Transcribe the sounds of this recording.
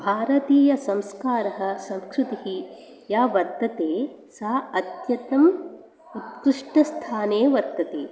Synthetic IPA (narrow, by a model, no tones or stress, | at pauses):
bʱaːɾɐt̪iːjɐsɐ̃mskaːɾɐɦɐ̆sɐmskɾut̪iɦi | jaːʋɐɾt̪ːɐt̪eː | saːɐt̪jɐt̪ɐm | ut̪̚kɾɪʂʈɐst̪ʰaːneːʋɐɾt̪ːɐt̪eː